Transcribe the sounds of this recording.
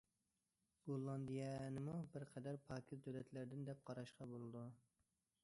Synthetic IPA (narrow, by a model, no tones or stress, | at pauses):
ɡolˠːɑnd̪ijɛnɪmubɪɾqʰɛd̪æɾpʰɑːkʰʲizd̪ølɛt̪ʰlæɾd̪ɪnd̪ɛp̚qʰɑɾɑʃqɑbolˠɨd̪u